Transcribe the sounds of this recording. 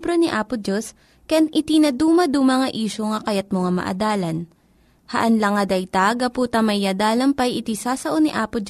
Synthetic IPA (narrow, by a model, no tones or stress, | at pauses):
bɾoniʔaːpʊd͡ʒos | kɐjanʔɪt̪inɐd̪uːmɐd̪umɐŋɐʔiːʃoŋɐkɐjɐt̪̚moŋamɐ̰ʔɐ̰d̪aːlɐn | hɐʔɐnlɐŋɐd̪ɐjt̪aɡɐpuːt̪ɐmɐjɐd̪aːlɐŋpɐjɪt̪isaːsɐʔoniʔaːpʊd͡ʒ